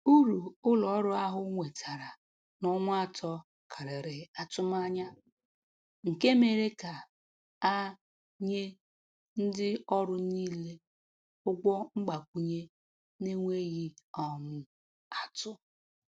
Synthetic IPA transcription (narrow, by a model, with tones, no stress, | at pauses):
u˦ɾu˨ʊ˦lɔ˨˦ɾʊ˦a˦ɦʊ˦ŋʷe˨tʰa˨ɾa˨ | nʊ˦ŋʷʊ˦a˦tʰɔ˦ | kʰa˨ɾɪ˨ɾɪ˨a˨tʊ˦ma˦ɲa˦ | ŋ̩˨ke˦me˨ɾe˦ka˨ | a˦ | ɲe˦ | n̩˦dɪ˦ɔ˦ɾʊ˦niː˦le˦ | ʊ˦ɡɔ˦ŋ͡m̩˦ɡ͡ba˨kʷu˨ɲe˦ | ne˦ŋʷe˦ɣi˦ɔ˨mʊ˦ | a˨tʊ˦